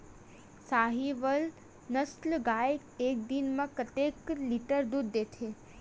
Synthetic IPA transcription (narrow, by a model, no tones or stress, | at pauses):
saɦiʋəl | nəslɡae | ek̚d̪inmãkət̪ekliʈəɾd̪ud̪ːet̪ʰe